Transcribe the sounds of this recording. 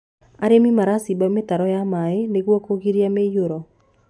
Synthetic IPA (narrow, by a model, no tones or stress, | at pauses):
aɾemimaɾasibamet̪aɾɔjamaeneɡwɔkoɡiɾjamejoɾɔ